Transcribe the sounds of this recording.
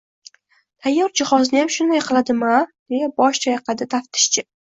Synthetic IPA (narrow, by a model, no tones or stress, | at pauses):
t̪ʰajːɒɾd͡ʒɪχɒznɪjamʃʊnd̪ajqʰɨlˠad̪ɪmad̪̥e̞jabɒʃt͡ʃʰɒjɑqʰɑd̪ɪt̪ʰaft̪ʰɪ̥ʃt͡ʃʰɪ